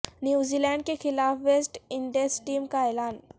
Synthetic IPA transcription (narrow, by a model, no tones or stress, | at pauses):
njuːzilɛ̃ːɳɖ̚kexɪlaːfʋesʈɪɳɖesʈiːmkaeːlaːn